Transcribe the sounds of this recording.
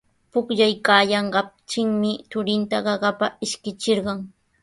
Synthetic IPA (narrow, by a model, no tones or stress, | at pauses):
pʊkʎajkaːjɑɴɢɑt͡ʃɪŋmɪt͡ʃ̪ʊɾɪnt̪aɢɑɢɑpaɪʃkɪt͡ʃɪɾɢɑŋ